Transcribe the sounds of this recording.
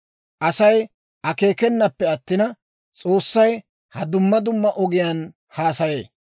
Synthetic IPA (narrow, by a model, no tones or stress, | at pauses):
ʔɐsɐj | ɐke̞ːkɛnːɐpːɛɐt̪ːɪnɐ | t͡sʼo̞ːsːɐj | hɐd̪ʊmːɐd̪ʊmːɐʔɔɡɪjɐn | haːsɐje̞ː